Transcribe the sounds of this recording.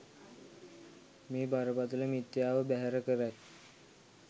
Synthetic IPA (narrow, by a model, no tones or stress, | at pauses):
miːbʱaɾəpat̪ulemit̪jaʋəbaɦaɾəkəɾat̪